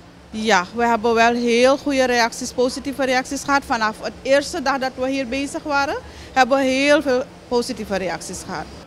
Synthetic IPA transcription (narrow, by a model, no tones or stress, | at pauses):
jaʋəɦɛbəʋɛlɦeːlxujəɾeaksispoːsitifəɾeaksisxəɦatfanafəteːrstədaxdɑtʋəɦiːrbeːsəxʋaːɾə | hɛbəɦeːlfeːl | positifəɾeaksisxəɦa̰t